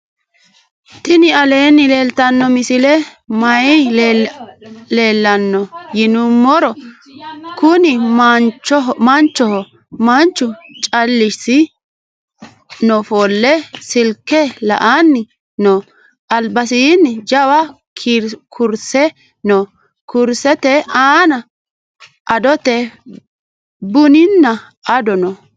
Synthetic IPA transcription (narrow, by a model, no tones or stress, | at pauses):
t̪ɪnɪɐle̞ːnːɪleːlt̪ɐnːɔmɪsɪlɛmɐjɪ | le̞ːlːɐnːɔjɪnʊmːɔɾɔ | kʊnɪmnɔmɐnt͡ʃːɔhɔ | mɐnt͡ʃːʊt͡ʃʼɐlːɪʃsɪ | nɔfolːɛsɪlkːɛlɐ̰ʔanːɪ | no | ʔɐlbɐsinːɪd͡ʒɐwɐ | kʰiɾkʰʊɾsɛ | no | kʊɾsɛt̪ɛaːnɐ | ʔɐd̪ɔt̪ɛ | bʊnɪnːɐ | ɐd̪ɔnɔ